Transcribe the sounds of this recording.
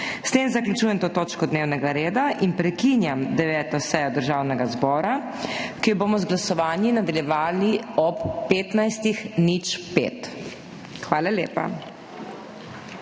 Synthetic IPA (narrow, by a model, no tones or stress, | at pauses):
st̪eːmzaklʲut͡ʃuːjɛmt̪oːt̪oːt͡ʃkɔd̪neːwnɛɡaɾeːd̪aʔinpɾɛkinjamd̪ɛʋɛːt̪ɔsɛjɔd̪əɾʒawnɛɡazbɔːɾa | kijɔboːmɔzɡlasɔʋaːnjinad̪aljɛʋaːliɔpːeːt̪najst̪ixnit͡ʃpḛːt̪ | xʋaːlaljḛːpa̰